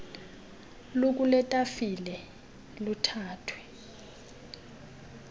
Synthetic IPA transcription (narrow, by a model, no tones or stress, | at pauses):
lok̬ʼulɛtʼafilɛ | lutʰaːtʰwɛ